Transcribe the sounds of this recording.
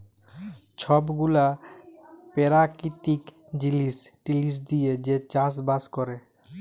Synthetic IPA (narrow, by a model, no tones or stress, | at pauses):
t͡ʃʰɔbɡula | peɾakit̪ik | d͡ʑilisʈilis̬d̪ijed͡ʑet͡ɕas̬baskɔɾe